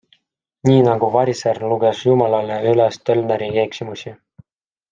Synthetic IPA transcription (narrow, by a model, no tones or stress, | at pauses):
niːnɑɡ̥uvɑɾiserluɡesjumɑlɑleylest̪ølneɾikeksimusi